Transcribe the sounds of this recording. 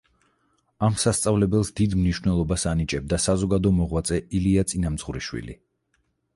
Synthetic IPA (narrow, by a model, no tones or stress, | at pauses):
amsast̪sʼavlɛbɛlˠsd̪id̪mniʃwvnɛlˠɔbasanit͡ʃʼɛb̚d̪asazɔɡad̪ɔmɔʁwat̪sʼɛiliat̪sʼinamd̪z̥ʁuɾiʃwḭlḭ